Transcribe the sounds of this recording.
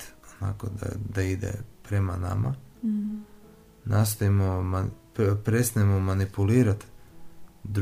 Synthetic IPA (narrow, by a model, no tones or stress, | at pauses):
ona̰ko̰d̪a̰d̪aid̪ḛpɾe̞mana̰ma̰ | nas̬t̪oimoma | pɾest̪aemomanipuliːɾat̪ | d̪ɾ